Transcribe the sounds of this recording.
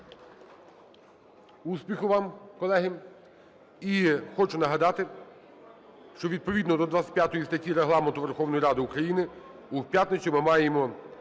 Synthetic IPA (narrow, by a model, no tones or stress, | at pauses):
uspʲixʊʋɑmkɔlˠɛɦɪm | ixɔt͡ʃʊnɐɦɐd̪ɑt̪ɪ | ʃt͡ʃɔʋʲid̪̚pɔʋʲid̪nɔd̪ɔd̪ʋat̪sʲɪtʲpʲjat̪ɔjist̪ɐtʲːiɾeɦlˠɑment̪ʊʋerxɔwnɔjiɾɑd̪ɪukɾɐjinɪ | uwpʲjat̪nɪt͡ʃʲimɪmɑjemɔ